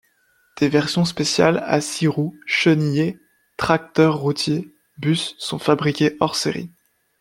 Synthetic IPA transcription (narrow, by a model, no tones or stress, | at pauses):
d̪̥evɛʁsjɔ̃spesja̰la̰siʁuʃənje | t̪χak̚t̪œʁːut̪ʰje | bysːɔ̃fabʁikʲeʔɔʁseʁḭ